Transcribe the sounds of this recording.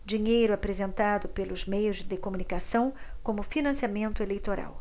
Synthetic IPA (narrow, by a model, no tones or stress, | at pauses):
d͡ʒiɲejɾʊapɾezẽnt̪ad̪ʊpelʊzmejʊzd͡ʒɪd̪ekomũnikasɐ̃w̃kõmʊfinɐ̃siamẽnt̪ʊelejt̪oɾa̰w